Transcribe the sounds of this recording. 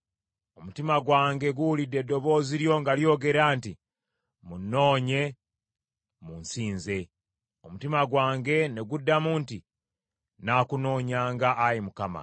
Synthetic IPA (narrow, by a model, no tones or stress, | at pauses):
o̞mutimaɡwaːŋɡe̞ɡuwulidːe̞dːo̞βo̞ːziɾjo̞ŋɡaljo̞ːɡe̞ɾaːnti | munːo̞ːɲe̞ | munsiːnze̞ | o̞mutimaɡwaːŋɡe̞ne̞ɡudːamuːnti | naːkuno̞ːɲaːŋɡaʔːjimukama̰